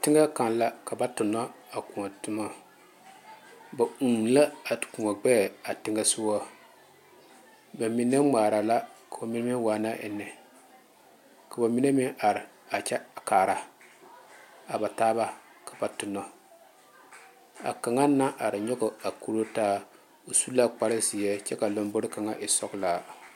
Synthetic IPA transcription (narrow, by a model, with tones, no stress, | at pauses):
tɪ˦ŋa˦ka˨n˨la˦ka˨ba˦tʊ˨nːɔ˦a˨ku˨ŋɔ˨tʊ˦ma˦ | ba˨u˨la˦a˨ku˨ŋa˨ɡ͡bɛː˦˨a˨tɪ˦ŋa˦su˦wɔ˦ | ba˨mi˨ne˦ŋ͡maː˨ɾa˨la˦ka˨o˨mi˦n˦mi˦waː˨˦na˦ʔɛ̰˨nːɛ˨ | ka˨ba˨mi˦ne˦mɪ˦ʔa˨ɾɪ˨ | a˨t͡ʃɛ˦˨kaː˨ɾa˨ | a˨ba˨taː˦ba˦ | kḁ˨ba˨tʊ˨nːɔ˨ | a̰˨ka˨ŋa˦nːa˦ʔa˨ɾɪ˨ɲɔ˦ɡɔ˨a˨ku˦ɾo˦taː˦ | o˨su˦la˦k͡pa˦ɾɪ˦zi˨jɛ˦t͡ʃɛ˦ka˨lo˦m˦bo˦ɾɪ˦ka˨ŋa˦ʔɪ˨sɔ˦kla˨